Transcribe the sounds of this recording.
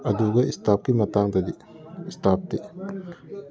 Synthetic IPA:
ɐduɡɐistap̚kimɐtaŋdɐdi | istap̚ti

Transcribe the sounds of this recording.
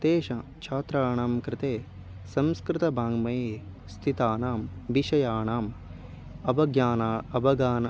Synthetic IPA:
t̪eːʃɐ | t͡ʃʰaːt̪ɾaːɳaːmkɾɪt̪eː | sɐmskɾɪt̪ɐbʱaːŋɡmɐjeː | st̪ʰit̪aːnaːmʋiʃɐjaːɳaːm | ɐbɐɡjaːnaːɐbɐɡaːnɐ

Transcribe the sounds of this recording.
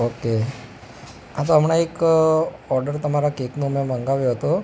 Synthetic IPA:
oke | at̪oəm̤ɽaek | ɔɾɖəɾt̪əmaɾakeknomeməŋɡaʋjoɦət̪o

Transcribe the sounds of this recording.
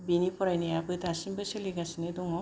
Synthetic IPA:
binipʰɔɾajnejabɯdasimbɯseliɡasineduŋɔ

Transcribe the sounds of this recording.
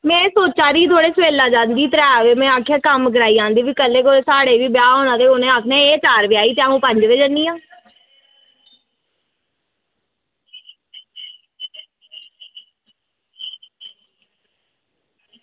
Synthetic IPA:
mɛ̃ːsoːt͡ʃaːɾiːt̪̬ʰoːɽeːsʋeːlaːd͡ʒãːnd̪iːt̪əɾɛːʋeːmɛ̃ːaːkʰːjaːkəmkəɾaːiːãːnd̪iːʋiːkəlːeːkoesaːɽeːʋiːbjaːɦõːnãːt̪eːonẽːaːkʰnɛ̃ːeːt͡ʃaːɾʋɪaːiːt̪eaːɦũːpə̃ɲd͡ʒʋeːd͡ʒəniːãː

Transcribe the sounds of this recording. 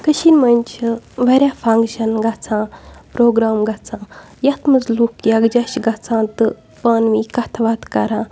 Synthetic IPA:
kəʃinmɐnʲt͡ʃʰiʋɐɾʲaːfʰɐŋɡʃɐnɡɐt͡sʰãːpɾoːɡɾaːmɡɐt͡sʰãː | jɐt̪ʰmɨzluːkjaɡd͡ʒɐʃɡɐt͡sʰãːt̪ɨ | pɐːnʋĩːkɐt̪ʰʋat̪kɐɾãː

